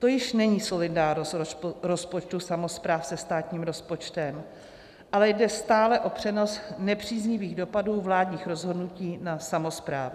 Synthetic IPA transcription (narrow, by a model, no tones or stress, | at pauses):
t̪o̞jɪʃnɛɲiːso̞lɪdaːɾnostɾo̞spot͡ʃt̪usamo̞spɾaːfsɛst̪aːt̪ɲiːmɾo̞spo̞t͡ʃt̪ɛm | ʔalɛjdɛst̪aːlɛʔo̞pr̝̥ɛno̞snɛpr̝̥iːzɲɪviːɣdo̞paduːvlaːdɲiːxɾo̞zɦo̞dnuciːnasamo̞spɾa̰ːv